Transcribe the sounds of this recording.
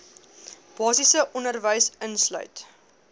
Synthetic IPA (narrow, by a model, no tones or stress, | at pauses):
b̥ɑːsisəʔɔnərvəjsənslœ̰ɥt